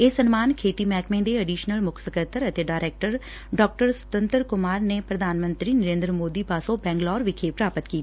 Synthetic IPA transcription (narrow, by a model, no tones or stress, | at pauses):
esənmaːnkʰeːt̪iːmɛːkmẽːd̪eːəɖiːʃnəlmʊkʰsəkət̪əɾət̪eːɖaːɪɾeːk̚ʈəɾ | ɖɔːk̚ʈəɾsə̥t̪ə̃nt̪əɾkʊmaːɾneːpɾəd̪ʱaːnmə̃nt̪ɾiːnəɾẽːnd̪ɾəmoːd̪iːpaːsõbɛ̃ːŋɡlɔːɾʋɪkʰeːpɾaːpət̪kiːt̪ː